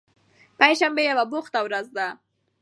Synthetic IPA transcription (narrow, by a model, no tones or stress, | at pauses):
paɲʃambejawabʊxt̪awɾazd̪a